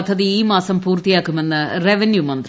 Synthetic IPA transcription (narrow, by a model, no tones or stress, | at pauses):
t̪ʰːɐðɨiːmaːsɐmpuːrt̪ijaːkːume̞nːɨreʋenjumɐnd̪r